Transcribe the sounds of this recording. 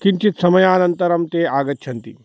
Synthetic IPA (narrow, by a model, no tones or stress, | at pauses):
kint͡ʃit̪sɐmɐjaːnɐnt̪ɐɾɐmt̪eːaːɡɐt̪ːt͡ʃʰɐnt̪ḭ